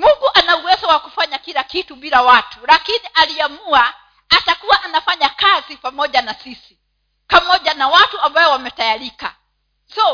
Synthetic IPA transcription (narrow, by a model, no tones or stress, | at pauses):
muŋɡuʔanauwɛzɔwakufaɲakilakituɓilawatulakiniʔaliamua | atakuwaʔanafaɲakazipamɔʄanasisi | pamɔʄanawatuambaɔwamɛtajaɾika̰ | sɔ